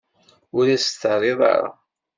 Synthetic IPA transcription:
ʊɾæst̪ərˤeðˤɑ̰ɾa̰

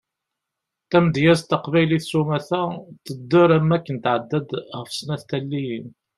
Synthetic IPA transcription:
t̪æmd̪jæzt̪əqvæjliθsumæθæt̪əd̪ːʊɾæmːækːənt̪ʕəd̪ːæd̪ʁəfsˤnæθt̪ælːijən

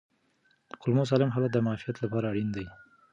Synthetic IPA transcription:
qʊlmos̬ɑlɪmɦɑlad̪əmɑfijat̪lapɑɾaːɽind̪aj

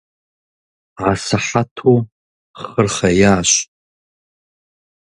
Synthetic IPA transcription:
ʕasaħatʰo | χərχajaːʃʷ

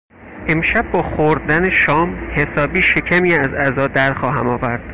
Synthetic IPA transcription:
ʔe̞mʃæbːɒːxoɾd̪æneʃɒːmhe̞sɒːbiːʃe̞cʰæmiːæzæzɒːd̪æɾxɒːɦæ̰mɒːvæɾd̪̥

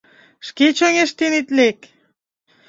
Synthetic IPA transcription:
ʃket͡ɕoŋeʃt̪enit̪lek

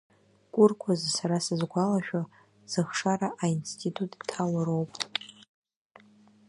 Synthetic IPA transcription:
kʷʼʊrkʷʰazsaɾasɨzɡʷalaʃᶣa | z̥ɨχʂaɾaʔainstʰitʼutʼtʰːawaɾo̞wpʼ

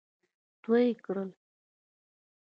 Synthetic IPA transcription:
t̪wəjekɽəl

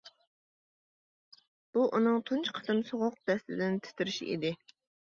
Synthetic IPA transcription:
b̥uʔunɨŋt̪ʰunt͡ʃqʰə̥t̪ɨmsoʁʊq̚d̪ɛst̪ɪd̪ɪnɪt̪ʰɪ̥t̪ʰɪɾɪʃḭʔḭd̪ɪ

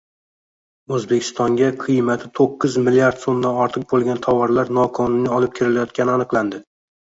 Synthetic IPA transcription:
ɵzbekʲʰɪ̥st̪ʰɒŋɡʲaqʰɨjmat̪ʰɪt̪ʰoqːɨzmɪlːijaɾd̪somd̪anɒɾt̪ʰɨq̚bolˠɡʲant̪ʰawɒɾlaɾnɒkʰɒnʊnːɪɒlɪp̚kʲʰɪɾɪlajɒt̪kʲanɪanɨqlˠand̪ɪ

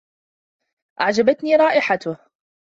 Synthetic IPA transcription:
ʔaʕd͡ʒabat̪niːɾˤɑːʔɪħat̪ʊh

